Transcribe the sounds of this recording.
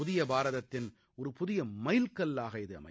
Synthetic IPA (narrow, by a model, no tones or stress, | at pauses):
ʊðɪjɐbaːɾɐðɐt̪ːɪn | ɔɾɯpʊðɪjɐmɐɪlkɐlːaːɣɐɪðɯɐ̰mɐ̰